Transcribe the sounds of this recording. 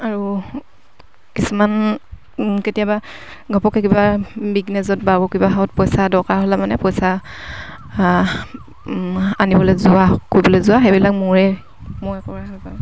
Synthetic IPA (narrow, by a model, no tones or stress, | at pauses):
aɹu | kisuman | ketijabaɡʱɔpɔkɛkibabiɡnɛzɔt̚babɔkibaɦaɔt̚pɔjsadɔkaɦɔlamanɛpɔjsa | anibɔlɛzʊakoɹjbɔlɛzʊaɦebilak̚muɹɛ | mɔɹɛkɔɹahapa